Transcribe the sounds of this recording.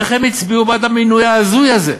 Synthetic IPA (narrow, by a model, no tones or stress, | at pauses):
eχemit͡sbiubat̪aminujaːzujaze